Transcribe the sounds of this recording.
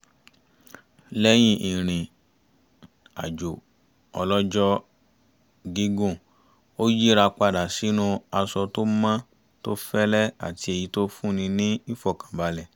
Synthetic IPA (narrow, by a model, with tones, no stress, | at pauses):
lɛ˦j̃ĩ˦ʔĩ˨ɾ̃ĩ˨ | a̰˨d͡ʒo˨ | ɔ˧lɔ˦d͡ʒɔ˦ | ɡi˦ɡõ˦˨ | o˦ji˦ɾa˧k͡pa˧da˨si˨˦nũ˦a˧sɔ˧to˦mã˦ | to˦fɛ˦lɛ˦a̰˨ti˧e˨ji˨˧˦to˦fũ˦˨nĩ˧nĩ˦i˦fɔ˦˨kã˨ba˨˧lɛ˨